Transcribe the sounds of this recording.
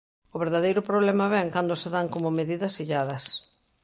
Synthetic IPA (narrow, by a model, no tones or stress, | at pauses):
ʊβeɾðaðejɾʊpɾoβlɛmɐβɛŋkand̪ʊseðaŋkomʊmeðiðɐsiʎaðɐs